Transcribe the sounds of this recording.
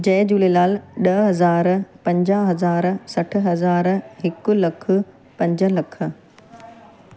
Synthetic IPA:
d͡ʑɐːd͡ʑuːlelaːlɗɐɦɐzaːɾpɐ̃ɲd͡ʑaːɦɐzaːɾsɐʈ̆ʰɦɐzaːɾɦɪkʊ̆lɐkʰʊ̆ | pɐ̃ɲd͡ʑə̆lɐkʰə̆

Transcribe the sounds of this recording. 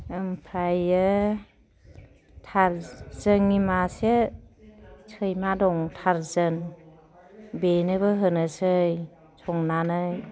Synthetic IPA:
mpʰɾajɯ | tʰaɾzəŋimase | sʰɯjmadɔŋtʰaɾzɯn | benɯbɯɦɯnɯsɯj | sʰɔŋnanɯj

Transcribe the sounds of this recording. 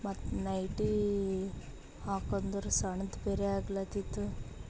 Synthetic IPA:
mɐt̪ːnɐjʈi | haːkond̪ɐɾusɐɳɐd̪beɾeaːɡlat̪it̪ːu

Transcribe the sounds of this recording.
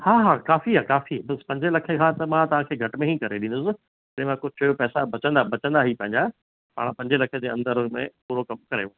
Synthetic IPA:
haːɦaːkaːfiɦakaːfibɐspɐ̃ɲd͡ʑelɐkʰekʰãːt̪ɐmãt̪ɐʋ̤ãkʰeːɡʱɐʈmẽɦikɐɾeɗĩnd̪ʊsɪ | d͡ʑɪẽmãkot͡ɕʰɐjopɛːsabɐt͡ɕə̃nd̪abɐt͡ɕə̃nd̪aɦipɐ̃ɦɪ̃ɲd͡ʑa | pa̰ːɽ̃pɐ̃ɲd͡ʑelɐkʰed͡ʑeːɐ̃nd̪əɾmḛ̃puːɾokɐmkɐɾḛ

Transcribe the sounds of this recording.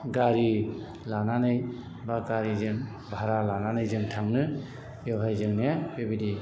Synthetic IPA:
ɡaɾi | lananɯj | baɡaɾizɯŋ | bʱaɾalananɯjzɯŋtʰaŋnɯ | jɔbʱajzɯŋnebebidi

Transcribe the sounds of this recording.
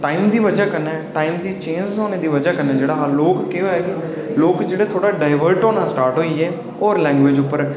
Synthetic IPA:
ʈaːiːmd̪iːʋəd͡ʒaːkənɛ̃ːʈaːiːmd̪iːt͡ʃẽːnd͡ʒoːneːd̪iːʋəd͡ʒaːkənɛ̃ːd͡ʒeːɽaːloːkːeɦoːɛːkɪ | loːkd͡ʒeːɽeːt̪ʰoːɽaːɖaːɪʋəɾʈoːnãːsʈaːɾʈɦoːiɛː | ɔːɾlɛ̃ːŋɡʋeːd͡ʒʊpːəɾ

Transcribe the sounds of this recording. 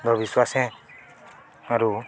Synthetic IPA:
d̪ʱɔbiswasɛ̃ | aɾu

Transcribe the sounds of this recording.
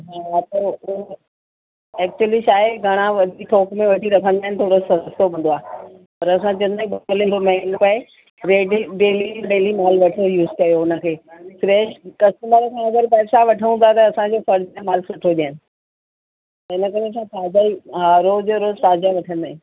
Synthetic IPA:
ɦaːɦat̪ɐ | ɛːk̚t͡ɕuəliʃaːɪɡʱɐɽ̃ãʋɐd̪ʱiʈʰoːkmẽʋɐʈʰiɾɐkʰə̃nd̪aːɦɪnɪt̪ʰoːɽosɐst̪obʱɐ̃n̆d̪oaːɦ | pɐɾɐsãd͡ʑɐnaĩbɐkolẽd̪omeɳpɐe | ɾeːɖiɖeːliɖeːlimaːlʋɐʈʰojuːzkɐjoʊnə̆kʰeːfɾeːʃkɐsʈəməɾkʰãɐɡəɾpɐːsaʋɐʈʰəũnd̪at̪ɐːsãd͡ʑofɐɾd͡ʑẽmaːlsɐʈʰoʄijaːɪnɪ̆ | ɪnəkɐɾeɐsãt̪ʰaːd͡ʑaiɦaɾoːd͡ʑoɾoːzt̪aːd͡ʑaʋɐʈʰə̃nd̪aːɦɪ̃n

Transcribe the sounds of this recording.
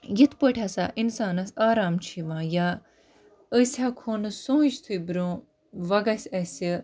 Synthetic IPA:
jit̪ʰpəʈʰʲɐsa̰ʔinsaːnɐsaːɾaːmt͡ʃʰiʋãːja | əsʲhakʰoːnɨsõːiʃt̪ʰujbɾʲõː | ʋɐɡɐsʲɐsʲi

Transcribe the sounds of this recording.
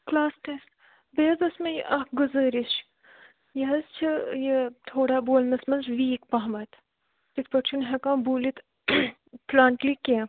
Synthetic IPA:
klaːsʈest | beːzɐsmɐj̰ʔɐɡuzəːɾisʃ | jɐɦɐzt͡ʃʰijet̪ʰoːɽaːboːlnɐsmɐnzʋiːkpɐɦmɐt̪ | t̪it̪̚ʰpɐt͡ʃʰunɦɐkãːbuːlit̪ | plaːɳʈlikẽː

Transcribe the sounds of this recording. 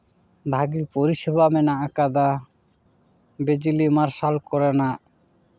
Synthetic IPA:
bʱaɡiɾpoɾiʃeβamɛnaakad̪a | bed͡ʒilimaɾʃalkɔɾena

